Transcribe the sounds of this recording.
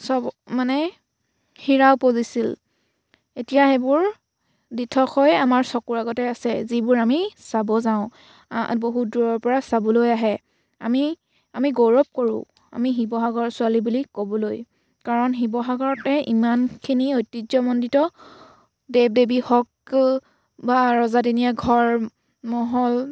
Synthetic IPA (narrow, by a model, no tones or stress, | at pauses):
sɔbmanɛ | xiɹawpozisil | etijaɦɛbʊɹ | ditʰɔxʰɔjamaɹsɔkuɹaɡɔtɛasɛzibʊɹamisabɔzaʊ̃ | boɦuduɹɔɹpɔɹasabɔlojaɦɛ | a̰mi | amiɡowɹɔp̚koɹʊ̰̃ | a̰miɦibɔɦaɡɔɹsʊalibulikobɔloj | kaɹɔnɦibɔɦaɡɔɹɔtɛʔḭmankʰiniojtːizɔmɔnditɔ | deb̚debixɔk̚ | baɹɔzadinijaɡʱɔɹ | mɔɦɔl